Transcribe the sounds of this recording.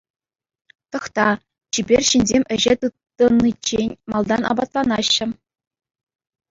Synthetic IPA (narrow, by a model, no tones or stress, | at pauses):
t̪ɤ̆χt̪ɑ | t͡ɕibʲerʲɕinʲzʲemʲɘ̆ʑet̪ɯt̪ːɤ̆nːit͡ɕenʲmɑlˠd̪ɑnʔɑ̰bɑt̪lˠɑnɑɕːɘ̆